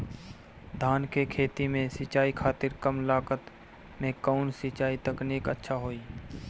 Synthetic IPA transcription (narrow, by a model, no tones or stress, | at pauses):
d̪ʱaːnkekʰeːt̪imẽsɪt͡ʃaːikʰaːt̪ɪɾkəmlaːkət̪ | mẽkɔːnsɪt͡ʃaːit̪əkneːkətːʃʰaɦoːiː